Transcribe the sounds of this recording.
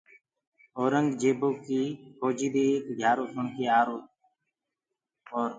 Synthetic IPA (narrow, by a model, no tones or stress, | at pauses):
oːɾəŋɡd͡ʒeːboːkiːkoːd͡ʒiːd̪eːeːkɡʱjaːɾoːsʰʊɳkʰeːaːɾoːt̪̚ | oːɾ